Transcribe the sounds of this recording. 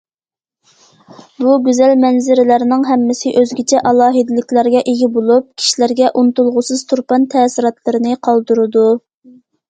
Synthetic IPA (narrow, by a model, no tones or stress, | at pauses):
buɡʲyzælmɛnzɪɾɪlæɾnɪŋɦɛmːɪsɪʔøzɡʲit͡ʃʰɛʔɑlˠɑːɦid̪ɪlɪkʲlæɾɡʲɛʔeɡʲibolˠup̚kʲʰi̥ʃilæɾɡʲɛʔunt̪ulˠʁʊsɨzt̪ʰuɾpɑnt̪ʰɛːsiɾɑt̪lˠəɾɨnɨqʰɑlˠd̪uɾɨd̪u